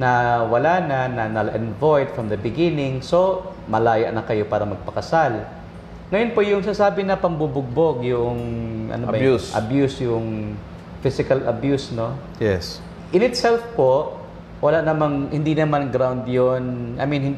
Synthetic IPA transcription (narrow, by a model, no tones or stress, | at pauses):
nɐwɐlanɐnɐnɐlʔɛnvojd̪fɹɐmd̪ɐbɪɡɪnɪŋso̞ | mɐlaːjɐ̰ʔnɐkɐjo̞paːɾɐmɐɡ̚pɐkɐsal | ŋɐjonpoʔjʊŋsasaːbɪnɐpɐmbubʊɡ̚boɡjʊʔoŋʔɐ̰nobɐusʔɐ̰bjusjʊŋ | fɪsɪkɐlɐbjusno̞ | jɛs | ʔɪnɪt̪sɛlfpoʔ | wɐlaʔnɐmaŋhɪnd̪inɐmanɡɾawnd̪jonʔɐ̰jminhɪn